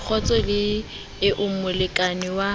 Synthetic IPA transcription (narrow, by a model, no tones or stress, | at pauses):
k͡xʰɔt͡sʼɔlɪː | ʔʊmʊlɪkʼanɪwa